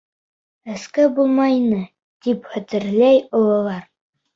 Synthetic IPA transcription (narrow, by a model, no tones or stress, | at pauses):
ɘ̆skɘbulˠmɑjnɤ | t̪iphɵ̆t̪ɘ̆ɾlæjŏlˠɤ̆lˠɑɾ